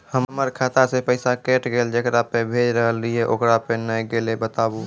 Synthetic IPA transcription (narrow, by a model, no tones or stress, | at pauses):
həmməɾkʰat̪asepəɪsakeʈɡeːld͡ʒekɾapebʱed͡ʒɾəɦəlieʔokɾapenəjɡelebət̪aːbu